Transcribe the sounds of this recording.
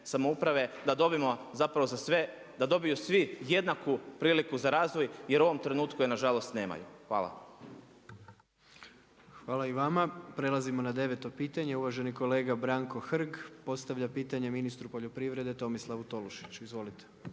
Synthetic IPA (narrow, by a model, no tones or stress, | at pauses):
samoupɾaʋe̞d̪ad̪o̞bimozapɾaʋo̞zasʋe | d̪ad̪o̞bijusʋije̞d̪nakupɾiːlikuzaɾaːzʋojje̞ɾuo̞ʋomt̪ɾe̞nuːt̪kujenaʒalˠo̞st̪ne̞ːma̰juxʋa̰ːlˠa̰ | xʋaːlaiʋamapɾe̞lˠazimo̞nad̪e̞ʋet̪o̞piːt̪aɲeuʋaʒe̞niko̞le̞ːɡabɾaŋko̞xr̩ɡpo̞t̪st̪aʋʎapiːt̪aɲe̞minist̪ɾupo̞ʎopɾiʋɾe̞d̪e̞t̪o̞mislˠaʋut̪o̞luʃi̥t͡ɕizʋo̞lit̪e̥